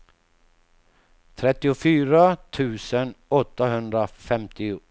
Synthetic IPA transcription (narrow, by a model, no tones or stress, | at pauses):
t̪ʰɾɛt̪ːɪʊfyːɾat̪ʰʉ̟ːsənɔt̪ːaɦɵnd̪ɾafɛmt̪ɪ